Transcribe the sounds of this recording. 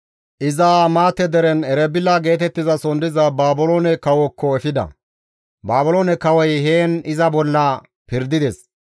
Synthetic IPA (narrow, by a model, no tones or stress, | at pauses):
ʔɪzaːmaːt̪ːɛd̪ɛɾɛnɛɾɛbɪlːaɡe̞ːt̪ɛt̪ːɪzɐsɔnd̪ɪzɐbaːbʊloːnɛkɐwɔkʰːɔɛfɪd̪ɐ̰ | baːbʊloːnɛkɐwɔjɦeːnɪzɐbɔlːɐ | pɪɾd̪ɪd̪ɛs